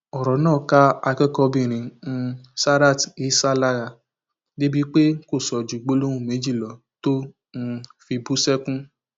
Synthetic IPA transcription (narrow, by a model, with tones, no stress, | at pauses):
ɔ˨ɾɔ˨˦nãː˦˨ka˦a˧kɛ˦kɔ˧bĩ˦˨ɾ̃ĩ˨˦n̩˧sa˦ɾa˦˨ti˨i˨˦sa˦la˦ɣa˧ | de˦bi˦k͡pe˦ko˦˨sɔ˨d͡ʒi˨ɡ͡bo˦lõ˦ũ˦˨me˨˦d͡ʒi˦˨lɔ˨˦ | to˦ | n̩˧fi˧bu˦sɛ˦kũ˦